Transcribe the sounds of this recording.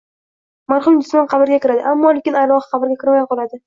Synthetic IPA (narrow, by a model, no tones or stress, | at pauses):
maɾχʊmd̪ʊ̥smɒnqʰɑbɪɾɡʲakʲɪɾad̪ɪ̰ʔamːɒlekʲɪnajlˠɒχɨ̥qʰɑbɪɾɡʲakʲʰɪɾmajqɒlˠad̪ɪ